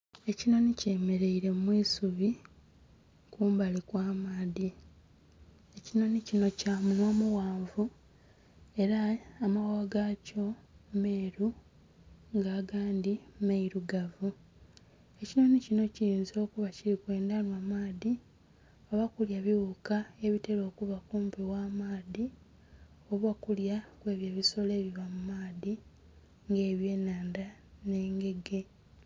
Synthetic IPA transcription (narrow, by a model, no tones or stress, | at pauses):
e̞cino̞niceːme̞ɾe̞iɾe̞mwiːsuβi | kuːmbalikwaːmaːði | e̞cino̞nicino̞caːmunwoːmuwaːɱvu | e̞ɾaːmawawaɡaco̞me̞ːɾu | ŋɡaːɡaːndimeiɾuɡavu | e̞cino̞nicino̞ciiːnzo̞ːkuβaciɾikwe̞ːndanwamaːði | o̞βakuljaβiwukae̞βiteɾo̞ːkuβakuːmpiwaːmaːði | o̞βakuljakwe̞ːβjaβiso̞le̞ːβiβamumaːði | ŋɡe̞ːβje̞ːnaːndane̞ːŋɡe̞ɡe̞